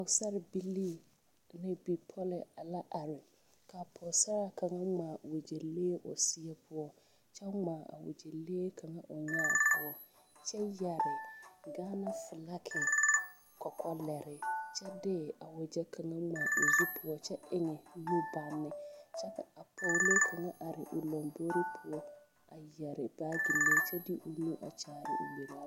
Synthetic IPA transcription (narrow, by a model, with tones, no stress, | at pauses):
ʊ˨sa˦ɾɪ˨bi˦li˦˨ | na˦bi˨pʰɔ˦lɪ˨a˨la˦ʔa˨ɾɪ˨ | ka˨pʰʊ˨sa˦ɾa˦ka˨ŋa˦ŋ͡maː˨wʊ˨d͡ʒe˨leː˦ʔʊ̰˨si˦ɛ˦pʰʊ˦ɔ˦ | t͡ʃɛ˦ŋ͡maː˨a̰˨wʊ̰˨d͡ʒe˨leː˦kʰa˨ŋa˦ʔʊ˨ɲa˦˨pʰʊ˦ɔ˦ | t͡ʃɛ˦ja˨ɾɪ˨ɡaː˦na˦fɪ˨la˦kʰɪ˨ | kɔ˨kɔ˦lɛ˨ɾɪ˨t͡ʃɛ˦dɛː˦a˨wʊ˨d͡ʒɛ˦kʰa˨ŋa˦ŋ͡ma˨ʔo˨zi˦pʰʊ˦ɔ˦t͡ʃɛ˦ʔɪ˦ŋɛ˨nu˦ba˦nːɪ˨t͡ʃɛ˦ka˨a˨pʰo˦leː˦kʰa˨ŋa˦ʔa˨ɾɪ̰˨ʔʊ˨lo˨mbo˦ɾi˦pʰʊ˦ɔ˦ | a˨jɛ˨ɾɪ˨b̥aː˦ɡi˨le˦t͡ʃɛ˦dɪ˦ʔʊ˨nu˦ʔa̰˨t͡ʃaː˨ɾɪ̰˨ʔo̰˨le˨la˨